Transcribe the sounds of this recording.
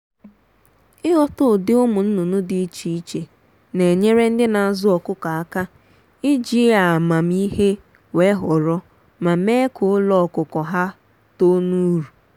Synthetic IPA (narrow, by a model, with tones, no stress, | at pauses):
ɪ˦ɦɔ˦tʊ˦˨dɪ˦ʊ˦mʊ˨n̩˦nu˨nʊ˦dɪ˦i˦t͡ʃi˨i˦t͡ʃe˨ | ne˨ɲe˦ɾe˦n̩˦dɪ˦na˨a˨zʊ˦ɔ˨kʊ˦ka˨a˦ka˦ | ɪ˦d͡ʒi˦a˨ma˨m˦i˦ɦe˦ | we˦ɦɔ˨ɾɔ˦ | ma˨m̩e˦kʊ˨˦lɔ˦ɔ˨kʊ˨kɔ˨ɦa˦ | to˦nu˦ɾu˨